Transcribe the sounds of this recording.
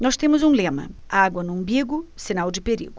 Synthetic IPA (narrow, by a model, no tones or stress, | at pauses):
nɔst̪ẽmʊzũlẽmɐ̰ | aɡwɐnũbiɡʊsinawd͡ʒɪpeɾḭɡʊ